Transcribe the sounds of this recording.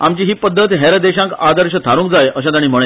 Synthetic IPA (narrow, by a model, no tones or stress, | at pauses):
amt͡ɕiːɦiːpəd̪ʱːət̪ɦɛɾəd̪eɕãŋkad̪əɾɕət̪ʰaɾũːŋk̚d͡zajəɕ̬ãt̪aɽ̃iːm̤əɭe